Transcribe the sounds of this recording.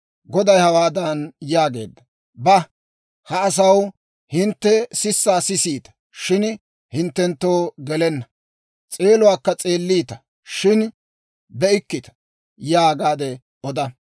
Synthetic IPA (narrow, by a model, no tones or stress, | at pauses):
ɡɔd̪ɐjhɐwaːd̪ɐnjaːɡe̞̰ːd̪ːɐ | bɐ | hɐːs̬ɐw | hɪnt̪ːɛsɪsːaːsɪsiːt̪ɐ̥ | ʃɪn | hɪnt̪ːɛnt̪ːo̞ːɡɛlɛnːɐ | t͡sʼe̞ːlʊwaːkːɐt͡sʼeːlːiːt̪ɐ̥ | ʃɪn | bɛɪkːɪt̪ɐ̥ | jaːɡaːd̪ɛ | ʔɔd̪ɐ